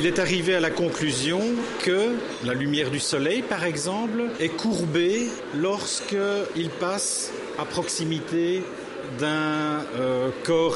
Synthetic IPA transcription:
ilɛt̪aʁivealakɔ̃klyzjɔ̃kʰə | lalymjɛːʁd̪ysɔlɛjpaʁɛɡzɑ̃plɛkʰuʁbe | lɔʁskəilpas | apχɔksimit̪e | d̪ɛ̃økɔːʁ

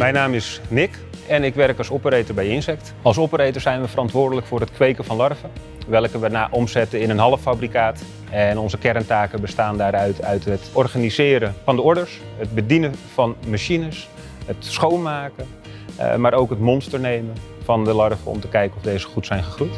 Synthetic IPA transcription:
mɛjnaːmɪsnɪk | ɛnɪkʋɛrkɑlˠsɔpəɾejtəɹbɛjɪnsɛk̚t | ɑlˠsɔpəɾejtəɹsɛjnʋəfərɑntʋʊːɹdələkfʊːrɦətkʋejkəvɑnlɑrfə | ʋɛlˠkəʋənaːʔɔmzɛtəɪnənɦɑləfabrikaːt | ɛnɔnzəkɛɾəntaːkəbəstaːndaːɾœɥtʰœɥtɦətɔrχanizɪːɾəfɑndəɔɹdəɹs | ɦət̚bədinəvɑnmaʃinəs | ɦətsχownmaːkə̰ | maːɾowkɦətmɔnstəɹnejmənfɑndəlɑɹfəɔ̰mtəkɛjkənɔvdejzəχutsɛjnχəχrujt

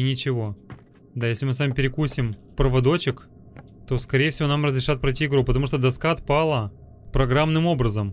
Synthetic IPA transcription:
ɪnʲɪt͡ɕɪvo̞ | d̪ajesʲlʲɪmɨsvamʲɪpʲɪɾʲɪkusʲɪmpɾəvɐd̪o̞t͡ɕɪk | t̪o̞skɐɾʲejɪfsʲɪvʲo̞namrəzɾʲɪʂat̪̚pɾɐɪtʲiɪɡɾupət̪ɐmuʂ̬t̪od̪ɐskaɐt̪̚palˠə | pɾɐɡɾamnɨmo̞bɾəzəm

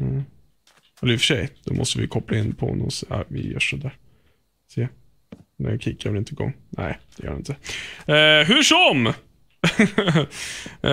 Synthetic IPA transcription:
ɛləɾɪfə̥ʂɛjd̪̥ɔmʔɔ̰st̪əvɪ̰kʰɔpːlaɪnːpʰɔnːɔsɛavɪjœ̰ːʂɔd̪æːɾ | se | nɛkʰikʰːaɾɛɾɪnt̪əɡɔ̰ŋːnʔæ̰ɪd̪̥ɛjœːɾaɪnt̪ə | ɦɵʂɔm

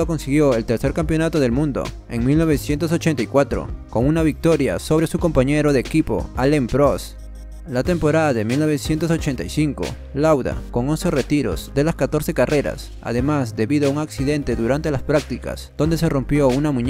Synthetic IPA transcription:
oko̞nsiɣjo̞e̞lt̪e̞ɾse̞ɾkampjo̞nat̪o̞ðe̞lmũnd̪o̞̰ | e̞ŋmilno̞β̞esje̞nt̪os̬o̞t͡ʃent̪ajkwat̪ɾo̞̰ko̞ŋunaβik̚t̪o̞ɾja̰so̞βɾe̞suko̞mpaɲe̞ɾoðeːkipo̞̰alempɾos | lat̪e̞mpo̞ɾaðaðe̞milno̞βe̞sje̞nt̪o̞so̞t͡ʃe̞nt̪ajsiŋko̞̰ | lawða̰ko̞ŋo̞nse̞re̞t̪iɾo̞̰zd̪e̞laskat̪o̞ɾse̞karʔe̞ɾa̰s | a̰ðe̞mazd̪e̞βiðoauŋaksiðe̞nt̪e̞ðuɾant̪e̞laspɾak̚t̪ika̰z̥d̪̥ond̪es̬e̞ro̞mpjo̞unamũɲ

